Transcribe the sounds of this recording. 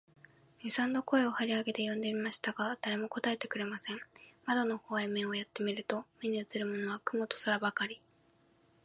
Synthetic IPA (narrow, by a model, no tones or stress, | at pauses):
ɲʲisãnd̪o̞ko̞e̞o̞haɾʲiaɡe̞t̪e̞jõ̞nd̪e̞imaɕi̥t̪aɡad̪̥aɾe̞mo̞ko̞t̪ae̞t̪e̞kɯ̟ɾe̞masẽ̞ɴmad̪o̞no̞hoːaimẽ̞ɰ̃o̞jat̪ːe̞mʲiɾɯ̟t̪o̞meɲ̟iɯ̟t͡sɨɾɯ̟mo̞no̞βakɯ̟mo̞t̪o̞̥saɾabakaɾʲi